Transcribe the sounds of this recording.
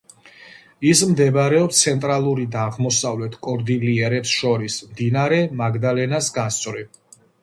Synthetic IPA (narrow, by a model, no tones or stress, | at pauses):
ismd̪ɛbaɾɛɔpst̪sʰɛnt̪ʼɾalˠuɾid̪aːʁmɔsavlɛt̪ʰkʼɔɾd̪iliɛɾɛpsʃɔɾismd̪inaɾɛmaɡd̪alɛnasɡast̪sʼvɾi